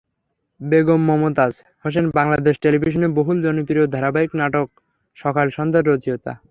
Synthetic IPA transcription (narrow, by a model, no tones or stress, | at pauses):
beɡomːɔmot̪ad͡ʑ | hoʃ̬enbaŋlad̪eʃʈelibʱiʃ̬oneboɦuld͡ʑonupiɾod̪ʱaɾabaiknaʈok̚ | ʃɔkʰalʃɔnd̪aɾɾod͡ʑiot̪a̰